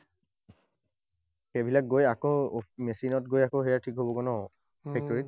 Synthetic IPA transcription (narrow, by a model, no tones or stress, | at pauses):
xebʱilak̚ɡojakomesinɔt̚ɡojakoɦejatʰikɦobokɔnɔɔ | pʰɛk̚tɔɹit̚